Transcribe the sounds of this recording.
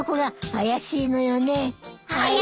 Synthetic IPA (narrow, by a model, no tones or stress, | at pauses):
okoɡahajaɕiːnojone̞ha